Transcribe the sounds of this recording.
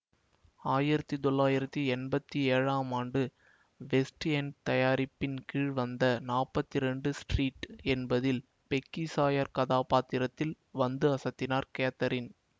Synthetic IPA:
aːjɪɾɐt̪ːit̪ɔɭːaːjɪɾɐt̪ːiɛnbɐt̪ːieːɻaːmaːɳɖɯ | ʋɛsʈɛnt̪ɐjaːɾɪpːɪnkiːɻʋɐnd̪ɐnaːpːɐt̪ːɪɾɛɳɖɯsʈriːʈɛnbɐðɪl | pɛkːisaːjɐɾkɐðaːpaːt̪ːɪɾɐt̪ːɪl | ʋɐnd̪ɯɐsɐt̪ːɪnaːɾkeːt̪ːɐɾɪn

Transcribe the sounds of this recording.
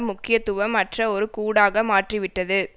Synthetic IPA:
mʊkːɪjɐt̪ʊʋɐmːɐʈrɐɔɾɯkuːɽaːɣɐmaːʈrɪʋɪʈːɐðɯ

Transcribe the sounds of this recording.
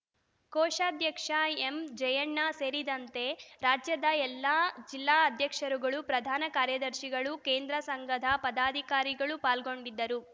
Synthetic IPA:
kɔːʃaːd̪ʱjɐkʂaemd͡ʒɐjɐɳːaseːɾid̪ɐnt̪e̞ɾaːd͡ʒjɐd̪ɐɛlːaːd͡ʒilːaːɐd̪ʱjɐkʂɐɾuɡɐɭupɾɐd̪ʱaːnɐkaːɾjɐd̪ɐɾʃiɡɐɭukeːnd̪ɾɐsɐŋɡɐd̪ʱɐpɐd̪aːd̪ʱikaːɾiɡɐɭupaːlɡo̞ɳɖid̪ːɐɾu

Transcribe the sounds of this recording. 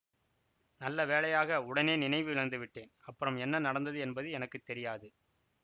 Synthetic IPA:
nɐlːɐʋeːɭɐjaːɣɐʊɽɐneːnɪnɐɪʋɯʋɪɭɐnd̪ɯʋɪʈːeːnɐpːɯɾɐmɛnːɐnɐɽɐnd̪ɐðɯɛnbɐðɯɛnɐkːɯt̪ːɛɾɪjaːðɯ

